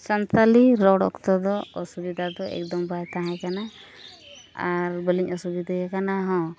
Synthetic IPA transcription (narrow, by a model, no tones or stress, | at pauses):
sɔnt̪aliɾɔɽɔkt̪ɔd̪ɔɔsubid̪ʱad̪ɔɛ̰kd̪ɔmbajt̪aɦãkana | aɾbəliɲɔsubid̪ʱajakanaɦɔ̃